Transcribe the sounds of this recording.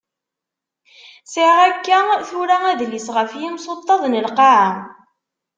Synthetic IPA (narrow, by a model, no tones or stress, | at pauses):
səʁækːæθʊɾææðlisʁəfjimsot̪ˤːɑðˤnəlqaʕa